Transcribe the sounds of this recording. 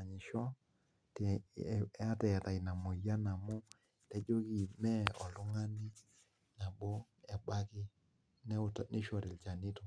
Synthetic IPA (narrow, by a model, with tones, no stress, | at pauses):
a˨ɲi˨ʃɔ˦ | tɛ˦a˦tɛ˨ta˨i˨na˨mo˨ja˦na˨mo˦ | tɛ˦d͡ʒo˦ɣi˨mɛ˦ɔ˨lʊ˦ŋa˦ni˦ | na˨bo˦ | ɛ˨ba˦ɣi˦ | nɛ˦tnɪ˦ʃɔ˨ɾe˨lt͡ʃa˨ni˦to˨